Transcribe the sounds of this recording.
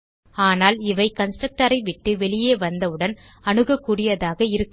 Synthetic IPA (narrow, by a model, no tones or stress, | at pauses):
aːnaːlɪʋɐɪkɐnsʈɾɐk̚ʈɐɾɐɪʋɪʈːɯʋɛɭɪjeːʋɐnd̪ɐɯɽɐn | ɐɳɯɣɐkːuɽɪjɐðaːɣɐɪɾɯkː